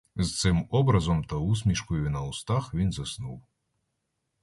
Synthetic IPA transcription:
st̪sɨmɔbɾɐzɔmt̪ɐus̬ʲmʲiʂkujʲinɐust̪axvʲinzɐsnuw

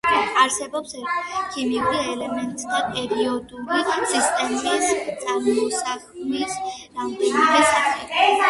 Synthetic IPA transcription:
aɾsɛbɔpskʰimiuɾiɛlɛmɛnt̪ʼsd̪apʼɛɾiɔd̪ulisist̪ʼɛmɾist̪sʼaɾmɔɔsakʰmisɾamd̪ɛniɾisaχɛ

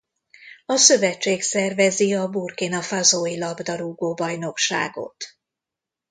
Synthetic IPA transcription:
ɒsø̞vɛt͡ʃːeːksɛrvɛziɒburkinɒfazoːilɒbd̪ɒɾuːɡoːbɒjno̞kʃa̰ːɡo̞̰t̪

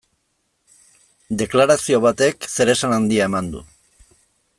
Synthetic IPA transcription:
d̪e̞klaɾasio̞β̞at̪e̞kse̞ɾe̞sanand̪iae̞mand̪ṵ

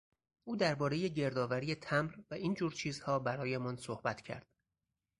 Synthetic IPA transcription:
ʔuːd̪æɾbɒːɾe̞je̞ɟe̞ɾd̪ɒːvæɾijet̪ʰæmɾvæiːnd͡ʒuːɾt͡ʃʰiːzhɒːbæɾɒːjemɒnsohbæt̪ʰcʰæ̰ɾd̪̥

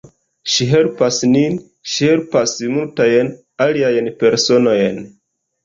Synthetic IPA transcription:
ʃiɦe̞lpasnin | ʃihe̞lpasmultajn | aliajnpe̞ɾso̞no̞jn

